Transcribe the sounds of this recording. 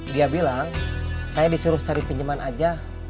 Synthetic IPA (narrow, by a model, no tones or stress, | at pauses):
diabilaŋsajadisuɾʊht͡ʃaɾipiɲd͡ʒəmanad͡ʒa